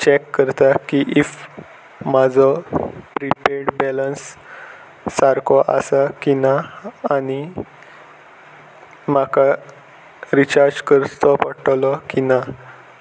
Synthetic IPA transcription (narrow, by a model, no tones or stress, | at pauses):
t͡ɕɛkːəɾt̪akiʔif | mad͡zʱɔpɾipeɾɽbɛlənsː | aɾkʰɔʔa̰sakinaːni | maka | ɾit͡ɕaɾd͡ʑkəɾt̪ɔpəʈlɔkina